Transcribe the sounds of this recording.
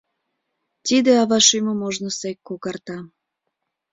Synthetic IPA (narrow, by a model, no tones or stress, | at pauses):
t̪id̪eɑβɑʃyməmoʒnosekːokɑrt̪ɑ